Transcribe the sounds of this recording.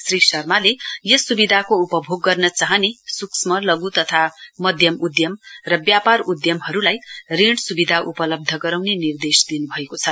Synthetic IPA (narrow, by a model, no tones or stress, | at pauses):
srisʌrmalejʌsubid̪ʱakoupʌbʱoɡːʌrnʌt͡saɦʌnesuksmʌlʌɡut̪ʌt̪ʰamʌd̪ʱjʌmud̪jʌmrʌbjaparud̪jʌmɦʌɾulajriɽsubid̪ʱaʔupʌlʌb̚d̪ʱʌɡʌɾawnenird̪esd̪inubʱʌekot͡sʰʌ